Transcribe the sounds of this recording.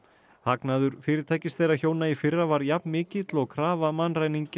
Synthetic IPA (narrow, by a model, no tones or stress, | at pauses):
haknaːðʏɾ̥fɪːɾɪɾ̥t̪ʰaːjcɪst̪θejɾraçoːwnaifɪrːavaɾjapnmɪːcɪt̪lɔɣkʰɾaːvamanraːjniɲc